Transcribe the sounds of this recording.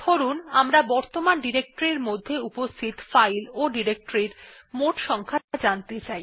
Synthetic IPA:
oɾunamɾabɔɾt̪omanɖiɾek̚ʈoɾiɾmod̪ʱːeupost̪ʰit̪fajloɖiɾek̚ʈoɾiɾ | moʈʃɔŋkʰad͡ʑant̪et͡ɕaj

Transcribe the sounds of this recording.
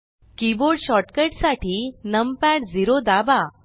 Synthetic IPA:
kiboɾɽɕɔʈkəʈsaʈʰiːnəmpɛʈd͡ziɾod̪aba

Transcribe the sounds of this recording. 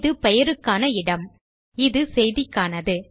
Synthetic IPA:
ðɯpɛjɐɾɯkːaːnɐɪɽɐm | ɪðɯsɛjðɪkːaːnɐðɯ

